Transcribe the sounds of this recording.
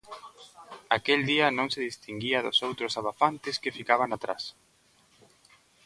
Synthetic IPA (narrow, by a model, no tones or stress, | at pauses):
akeld̪iɐnõŋsɪðist̪iŋɡiɐðo̰sowt̪ɾʊsaβafant̪ɪskefikaβ̞aŋat̪ɾa̰s